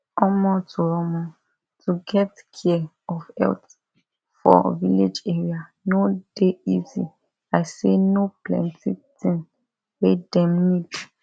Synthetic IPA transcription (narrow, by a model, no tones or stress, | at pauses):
ɔmɔtʰuɹɔmɔ̃ | tʰuɡɛtkʰi | ɔfɛ̰lt | fɔ̰vḭled͡ʒɛɹia | nod̥eizḭ | ajsenoplɛ̰̃ntitĩn | wedɛ̃mnid